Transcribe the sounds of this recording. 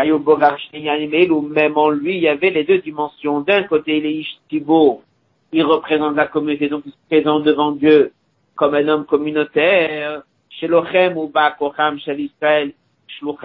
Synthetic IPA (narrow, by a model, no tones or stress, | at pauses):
ajuboɡaʁʃnejanimelumɛmɑ̃lɥiːlavɛled̪ød̪imɑ̃sjɔ̃d̪ɛ̃kot̪eilɛiʃsibo | ilʁəpχezɑ̃t̪lakɔmynot̪ed̪ɔ̃kispχezɑ̃t̪̚d̪əvɑ̃d̪jø | kɔmɛ̃nɔmkɔmynot̪ɛʁ | ʃelɔχɛmubakɔχamʃɛlisχaɛl | ʃluχ